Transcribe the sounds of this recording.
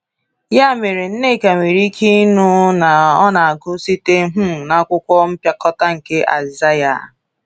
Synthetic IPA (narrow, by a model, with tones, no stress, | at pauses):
ja˦˨me˨ɾe˨n̩˦ne˦˨ka˨ŋʷi˨ɾi˦kʰi˦nu˦na˨ɔ˦na˨a˨ɡʊ˦si˦te˦ɦʊ˦˨na˦kʷʊ˦kʷɔ˦m̩˦pja˦kɔ˦ta˦ŋ̩˨ke˦ʔa̰˨za˦ja̰˨